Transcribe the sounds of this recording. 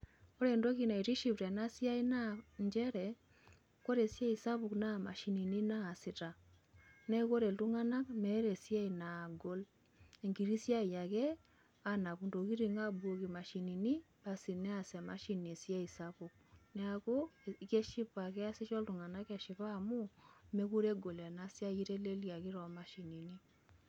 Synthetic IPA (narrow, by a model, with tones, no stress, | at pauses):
o˦ɾe˨ndo˦ki˨na˨i˨ti˦ʃi˨pɾɛ˨na˦sja˦i˦na˦ɲd͡ʒɛ˦ɾɛ˨ | ko˦ɾe˨sja˦i˨sa˦βu˨kna˦˨ma̰˨ʃi˨ni˨ni˦naː˦˨si˨ta˨ | nɛ˦ko˦ɾe˨ltu˦ŋa˦na˦kmɛ˦ɾe˨sja˦i˨na˨ɡo˦l | e˨ŋɡi˨ɾi˦sja˦˨ja˨kɛ˦ | a˦na˨ku˨ndo˨ki˦ɾi˨ŋa˦bwo˨ki˨ma˨ʃi˨ni˨ni˦ | pa˨si˨nɛ˦a˨sɛ˨ma̰˦ʃi˨ni˨sja˦i˨sa˦pu˨k̚nɛ˦a˨ko˦ke˦ʃi˦pa˨kɛ˦a˦si˦ʃɔ˦ltu˨ŋa˨na˦kɛ˨ʃɪ˨pa˦˨mu˦me˦ku˦ɾe˦ɡo˨lɛ˨na˦sja˦ji˦ɾe˦le˦lja˨kɪ˦ɾɔ˨ma˨ʃi˨ni˨ni˦